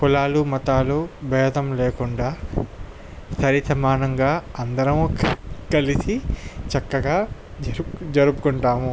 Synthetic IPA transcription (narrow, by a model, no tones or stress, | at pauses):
kulaːlumɐt̪aːlubɛːd̪ɐmleːkuɳɖaː | sɐɾisɐmaːnɐŋɡaːɐnd̪ɐɾɐmukkɐlisit͡ʃɐkːɐɡaːd͡ʒd͡ʒɐɾupukuɳʈaːmu